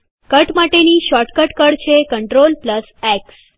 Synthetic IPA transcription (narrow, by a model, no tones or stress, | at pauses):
kəʈmaʈeniʃɔʈkəʈkəɽt͡ɕʰekəɳʈɾolpləsɛks